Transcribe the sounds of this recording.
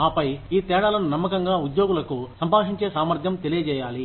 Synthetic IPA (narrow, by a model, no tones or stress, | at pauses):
aːpɐjiːt̪ɛːɽaːlɐnunɐmːɐkɐŋɡaːud̪jo̞ːɡulɐkusɐmpaːʂiɲt͡ʃeːsaːmɐɾd̪ʱjɐmt̪elijɐt͡ʃɛːjaːli